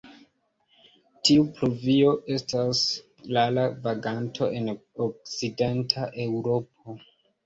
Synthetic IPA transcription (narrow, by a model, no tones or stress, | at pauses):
tiupluvio̞ʔe̞stas | lalavaɡantʰo̞ʔe̞nok̚side̞ntʰaʔe̞wɾop̚o